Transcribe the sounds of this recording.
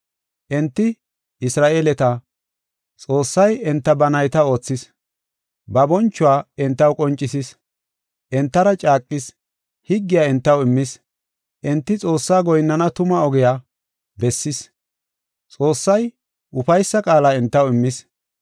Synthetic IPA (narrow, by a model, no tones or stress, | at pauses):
ʔɛnt̪ːɪ | ʔɪsɾaːʔeːlɛt̪ɐ | t͡sʼo̞ːsːɐjɛnt̪ːɐbɐnɐjt̪ɐo̞ːt͡sːɪs | bɐbɔnt͡ʃːʊwaːɛnt̪ːɐwkʼɔnt͡ʃʼːɪsɪs | ʔɛnt̪ːɐɾɐt͡ʃʼaːkʼːɪs | hɪɡːɪjaːɛnt̪ːɐwɪmːɪs | ʔɛnt̪ːɪt͡sʼo̞ːsːaːɡɔjnːɐnɐt̪ʊmɐɔɡɛja | bɛsːɪs | t͡sʼo̞ːsːɐj | ʔʊfɐjsːɐkʼaːlaːɛnt̪ːɐwɪmːɪs